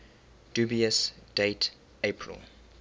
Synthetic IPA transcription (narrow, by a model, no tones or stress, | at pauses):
d̥uːbiəsd̥et | epʰɹḭl